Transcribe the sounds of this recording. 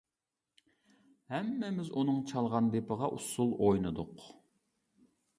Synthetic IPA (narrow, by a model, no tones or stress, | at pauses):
hɛmːɪmɪzunɨŋt͡ʃʰɑlˠʁɑnd̪epəʁɑʔusulˠojnɨd̪ʊq